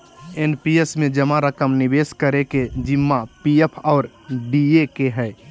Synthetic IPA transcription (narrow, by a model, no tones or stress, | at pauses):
enpiesmẽd͡ʒəmaɾəkəmnɪbeːskəɾeked͡ʒɪmːapiepʰɔːɾ | ɖiekeɦɛː